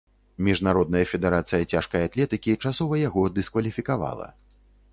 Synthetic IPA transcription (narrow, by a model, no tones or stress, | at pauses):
mʲiʐnaɾɔd̪̚nɐjɐfʲɛd̪ɛɾat̪sɨjɐt͡sʲaʂkɐjat̪lʲɛt̪ɨkʲit͡ʂasɔvɐjaɣɔd̪ɨskvɐlʲifʲikava̰lˠɐ̰